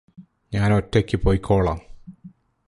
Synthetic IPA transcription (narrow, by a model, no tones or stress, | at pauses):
ɲaːnotːekʲːɨpoːjkʰːoːɭaːm